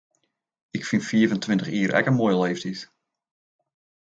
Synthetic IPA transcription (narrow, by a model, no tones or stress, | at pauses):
ɪkfinfiəvəntʋɪntəχiːərʔɛ̰kənmojəleːftis